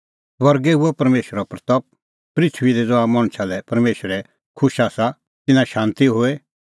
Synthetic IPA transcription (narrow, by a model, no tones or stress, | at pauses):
ʋɐɾɡɛɦuɛpɐɾmeːʃəɾapɾt̪ɔp̚ | pɾɪt̪ʰʋiɾɛd͡zɔaːmɐɽ̃t͡ʃʰalɛpɐɾmeːʃəɾɛ | kʰʊʃaːsa | t̪ɪnãʃãːnt̪iɦoːe